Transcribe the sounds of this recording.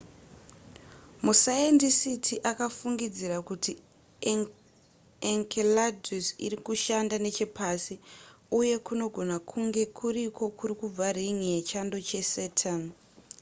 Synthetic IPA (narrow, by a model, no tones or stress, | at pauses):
musaendisitʰiʔakafuŋɡid͡ziɾakuti | eŋkʰeladusḭrikuʃandane̞t͡ʃe̞pʰasiuje̞kuno̞ɡʱo̞nakʰuŋɡe̞kʰuɾiko̞kuɾikub͡variŋijet͡ʃando̞t͡ʃe̞seːtʰan